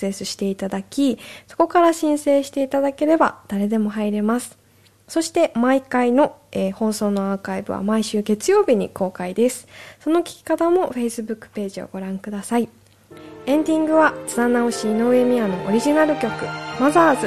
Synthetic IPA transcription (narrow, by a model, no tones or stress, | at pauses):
se̞sɨɕi̥t̪e̞it̪ad̪akʲiso̞̥ko̞kaɾaɕĩɰ̃se̞ːɕi̥t̪e̞it̪ad̪ake̞ɾe̞ba̰d̪̥aɾe̞d̪e̞mo̞ɦaiɾe̞masɨ̥ | so̞ɕi̥t̪e̞maikaino̞eːho̞ːso̞ːno̞akaibɯ̟̰βa̰maiɕɨːɡe̞t͡sɨjo̞ːbʲiɲ̟ḭko̞ːkaid̪e̞sɨ̥so̞no̞kʲi̥kʲi̥kat̪amo̞ɸe̞isɨbɯ̟kːɯ̥pe̞ːʑio̰ɡ̥o̞ɾãŋkɯ̟d̪asai | ẽ̞nd̪ʲĩŋɡɯ̟βat͡sɨd̪anaoɕiːno̞ɯe̞mʲiano̞ʔo̰ɾʲiʑinaɾɯ̟kʲo̞kɯ̟mazaːzɨ